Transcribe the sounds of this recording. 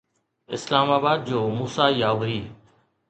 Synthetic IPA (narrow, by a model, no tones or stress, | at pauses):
ɪ̰slaːmaːbaːd̪̚d͡ʒoːmuːsaːiːjaːʋɾiː